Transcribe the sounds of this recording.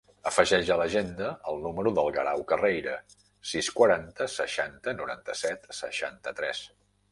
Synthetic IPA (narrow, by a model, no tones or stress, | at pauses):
əfəʒɛʒələʒend̪əəlˠnuməɾuðəlˠɣəɾawkərejɾə | siskwəɾant̪əsəʃant̪ənuɾa̰nt̪əsɛt̪səʃa̰nt̪ət̪ɾɛs